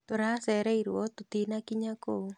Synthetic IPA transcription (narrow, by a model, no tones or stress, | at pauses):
t̪oɾasɛɾɛiɾwɔt̪ot̪inakiɲako